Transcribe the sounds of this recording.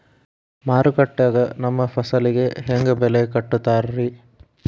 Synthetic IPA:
maːɾukɐʈːaːɡɐnɐmːɐpʰɐsɐliɡe̞ɦeŋɡɐbɛlekɐʈːut̪ːaːɾɾi

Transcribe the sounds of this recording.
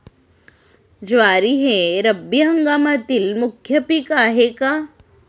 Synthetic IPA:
d͡ʒʋaːɾiɦeɾɐbjəɦɐŋɡaːmat̪ilmukʰːjəpikaɦeka

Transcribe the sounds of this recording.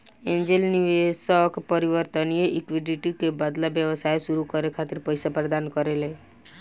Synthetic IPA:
ẽɲd͡ʒelniʋesɔkpəɾiʋəɾt̪ənijeʔikʋiɖiʈikebəd̪labjəʋəsajʃuɾukəɾekʰat̪ɪɾpəjsapɾəd̪aːnkəɾele

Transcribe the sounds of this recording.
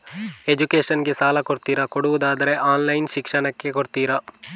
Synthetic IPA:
e̞d͡ʒukeːʃɐnɡe̞saːlɐkoɽt̪iːɾɐkoɽuʋud̪aːd̪ɐɾe̞ʔaːnlɐjnʃikʂɐɳɐkːe̞koɽt̪iːɾɐ

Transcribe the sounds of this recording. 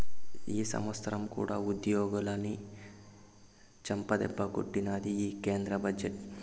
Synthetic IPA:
iːsɐ̰mʋɐst̪ɐɾɐmkṵːɽaːud̪joːɡulɐni | t͡ʃɐmpɐd̪ɛ̰bːɐko̰ʈːinaːd̪iiːkeːnd̪ɾɐbʱɐd͡ʒeʈ

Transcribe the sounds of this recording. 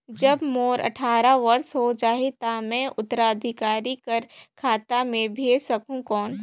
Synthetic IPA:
d͡ʒɐbmoːɾʔɐ̰ʈʰaːɾaʋɐɾsɦod͡ʒaːɦet̪amɛ̃ːʔʊt̪ːəɾaəd̪ʱɪkaːɾikɐɾkʰaːt̪amẽbʱeːd͡ʒsɐkũkɔːn

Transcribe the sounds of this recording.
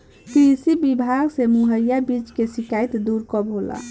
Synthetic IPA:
kɾisibibʱaɡsemuɦəjjabit͡ʃkesikajt̪d̪uɾkɔbɦola̰

